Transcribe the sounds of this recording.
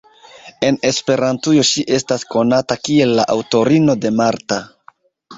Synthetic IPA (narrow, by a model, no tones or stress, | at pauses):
e̞ne̞spe̞ɾantujo̞ʃiʔe̞stasko̞natakie̞lːaʔawto̞ɾino̞de̞maɾta